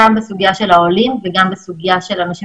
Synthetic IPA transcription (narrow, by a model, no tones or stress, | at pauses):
ambesuɡijaʃe̞lhaolinveɡambesuɡijaʃelanaʃi